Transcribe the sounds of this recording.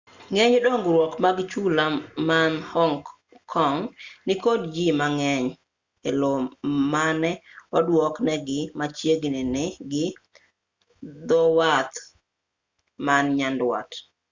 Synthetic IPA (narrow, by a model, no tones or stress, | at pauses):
ŋɛɲdoŋɡɾwɔkmaɡt͡ʃulamanhɔŋ | kʰːɔŋnɪkodd͡ʒimaŋɛɲ | elomanɛwɔdwɔknɛɡɪmat͡ʃjeɡnɪnɪɡɪ | d̪ɔwat̪ | manɲandwa̰t